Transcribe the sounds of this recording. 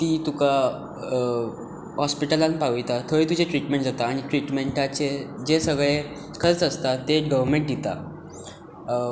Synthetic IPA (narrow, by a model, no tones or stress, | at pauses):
t̪iːt̪uka | ɦɔspiʈəlãnpaʋjt̪at̪ʰoiːt̪ud͡ʑeʈɾiʈmẽɳʈd͡zat̪aːɽ̃iʈɾiʈmeɳʈat͡ɕed͡ʑesəɡɭe | kʰəɾt͡səst̪at̪eɡəʋəɾmeɳʈ̚d̪ʱit̪a